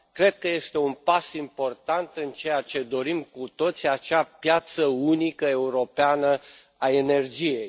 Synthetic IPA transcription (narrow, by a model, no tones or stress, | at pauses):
kɾe̞d̪̚kəje̞st̪e̞unpasimpo̞rt̪ant̪ɨnt͡ʃe̞jat͡ʃe̞d̪o̞ɾimkut̪o̞t̪sʲiat͡ʃapjat̪səunikəe̞uɾo̞peanə | ae̞ne̞rd͡ʒije̞j